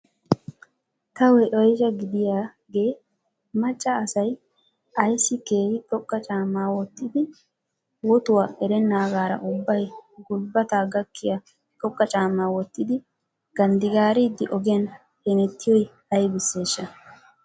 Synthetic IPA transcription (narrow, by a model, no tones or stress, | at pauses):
t̪ɐwɛʔɔjʒɐɡɪd̪ɪjaː | ɡe̞ː | mɐt͡ʃʼːɐːsɐj | ʔɐjsːɪke̞ːhɪt̪ʼɔkʼːɐt͡ʃʼaːmːaːwɔt̪ːɪd̪ɪ | wɔt̪ʊwaɛɾɛnːaːɡaːɾɐ̰ʔʊbːɐjɡʊlbɐt̪aːɡɐkʰːɪjɐ | t̪ʼɔkʼːɐt͡ʃʼaːmːaːwɔt̪ːɪd̪ɪ | ɡ̥ɐnd̪ɪɡaːɾɪd̪ːɪʔɔɡɛɐn | hɛnɛt̪ːɪjɔj | ɐjbɪsːe̞ːʃːɐ